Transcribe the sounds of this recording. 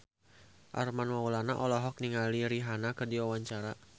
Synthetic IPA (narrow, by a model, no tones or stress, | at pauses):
ʔa̰rmanwaulanaʔɔlɔɦɔk̚niŋaliɾiɦanakɨrdiwawaɲt͡ʃaɾa